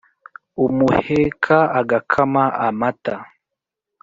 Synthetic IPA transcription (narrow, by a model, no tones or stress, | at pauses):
umuhekʰaaɡakʰamaamata